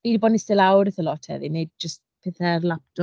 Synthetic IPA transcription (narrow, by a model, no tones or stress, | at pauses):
idibɔːdnistɪlawɾɪθəlɔtʰhɛ̰ðined̚d͡ʒəst | pʰɛːθɛrlˠap̚d̥ʊ